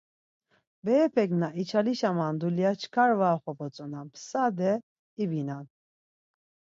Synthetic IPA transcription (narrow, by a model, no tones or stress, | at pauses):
bɛːpʰɛɡnaʔit͡ʃʰaliʃamand̪uljat͡ʃʰkʰaɾvaːχɔpɔt͡sʼɔnampʰsad̪ɛ | ibinan